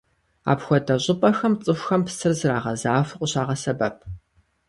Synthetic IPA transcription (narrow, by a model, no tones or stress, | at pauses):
a̰ːpxʷɔdɐɕʷʼʊpʼɐxɐmt͡sʼɨxʷxɐmpsɨrzɨɾaːʁɐzaːfɨqʷʼʊɕaːʁɐsɐbɐp̚ʰ